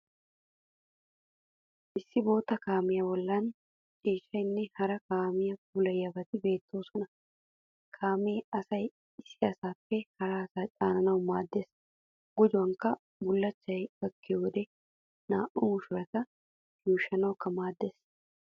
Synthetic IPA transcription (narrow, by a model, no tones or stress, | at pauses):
ʔɪsːɪbo̞ːt̪ɐkaːmɪjɐwɔlːaːn | t͡ʃʼiːʃɐɪnːɪhɐɾɐkaːmɪjɐfuːlɐjɐbɐt̪ɪbe̞ːt̪ːoːsɔnɐ | kʰaːmeːɐsɐj | ɪsɪɐsaːfːɛkɐɾaːɐsaːt͡ʃʼaːnɐnɐʊmaːd̪ːɛs | ɡ̥ʊd͡ʒʊɐŋkɐ | bʊlːɐt͡ʃːɐjɡɐkːɪɔd̪ɛ | naːʔʊːmʊʃʊɾɐt̪ɐ | juːʃɐnɐkːɐmaːd̪ːɛs